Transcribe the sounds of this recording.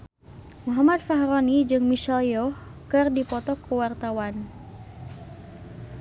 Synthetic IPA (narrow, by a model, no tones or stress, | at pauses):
muɦamat̪̚faɦɾonid͡ʒɨŋmiʃɛljɔhkɨrdipɔt̪ɔkəwart̪awan